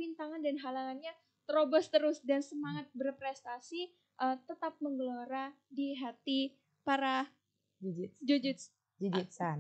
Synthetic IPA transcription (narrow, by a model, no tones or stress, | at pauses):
pint̪aŋandanɦalaŋanɲa | t̪əɾobɔst̪əɾʊsdansəmaŋat̪̚bərpɾɛst̪asi | ʔət̪ət̪ap̚məŋɡəloɾadiɦat̪i | paɾa | d͡ʒud͡ʒ̪d͡ʒud͡ʒɪt̪s | d͡ʒud͡ʒit̪san